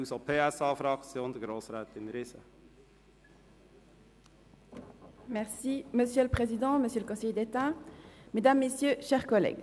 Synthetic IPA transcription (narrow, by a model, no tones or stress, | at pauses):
usopʰeːɛsɑːfɾɑkt͡sjoːnd̪əɡɾoːsɾɛːt̪ɪnɾɪsə̰ | mɛʁsiməsjøləpχezid̪ɑ̃məsjøləkɔ̃sɛjd̪et̪ãmed̪amːesjøʃɛːʁkɔlɛ̰ːɡ